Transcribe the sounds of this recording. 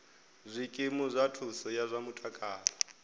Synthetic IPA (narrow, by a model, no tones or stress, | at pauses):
zʷikʼimuzʷatʰusɔjazʷamutʼakʼaːlɔ